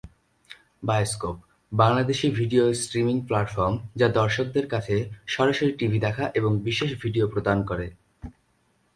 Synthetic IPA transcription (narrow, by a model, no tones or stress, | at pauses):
baeoskop̚ | baŋlad̪eʃibʱiɖiosʈɾimiŋplaʈfɔɾmd͡ʑad̪ɔɾʃok̚d̪eɾkat͡ɕʰeʃɔɾaʃoɾiʈibʱid̪ɛkʰaʔeboŋbiʃeʃbʱiɖiopɾod̪ankoɾe